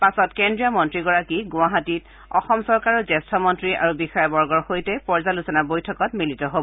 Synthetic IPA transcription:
pasɔtkendɹijamɔntɹiɡɔɹakiɡʊ̃aɦatit | ɔ̰xɔmsɔɹkaɹɔzɛstʰɔmɔntɹiʔa̰ɹubixɔjabɔɹɡɔɹxojtɛpɔɹzalusɔnabojtʰɔkɔtmilitɔɦobɔ

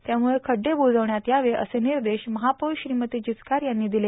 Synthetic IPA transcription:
t̪jamuɭekʰəɖːebod͡zəʋɳjat̪jaʋeʔə̰seniɾd̪eɕməɦapəɕɾimət̪iːd͡ʑit͡skaɾjanːiːd̪ile

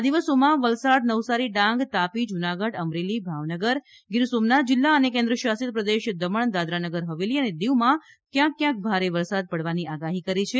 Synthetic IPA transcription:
ad̪iʋəsomãʋəlsaɽnəʋsaɾiɖãŋɡt̪apid͡ʒunaɡəɽəmɾelibʱaʋnəɡəɾ | ɡɪɾsomnat̪̚d͡ʒɪlːaənekẽnd̪ɾəʃasit̪̚pɾəd̪eʃd̪əməɳ̃d̪ad̪ɾanəɡəɾɦəʋeliəned̪eʋmã | kjãkːjãk̚bʱaɾeʋəɾsad̪̚pəɽʋaniʔaɡaɦikəɾit͡ʃʰe

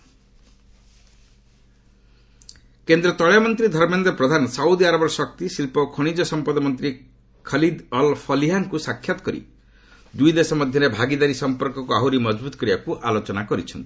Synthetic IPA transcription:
kend̪ɾɔt̪ɔɭjamɔnt̪ɾid̪ʱɔɾmend̪ɔpɾɔd̪ʱanɔsaud̪iaɾɔbɔɾɔsɔk̚t̪isilpɔkʰɔɽ̃id͡ʒɔsɔmpɔd̪ɔmɔnt̪ɾi | kʰʌlid̪ɔlpʰɔliɦaŋkusakʰjat̪ɔ̥kɔɾḭ | d̪ujd̪esɔmɔd̪ʱjʌɾebʱaɡid̪aɾisɔmpɔɾkɔkuaɦuɾimɔd͡ʒbut̪ɔ̥kɾibakuʔalot͡ʃɔnakɔɾit͡ʃʰɔnt̪i̥

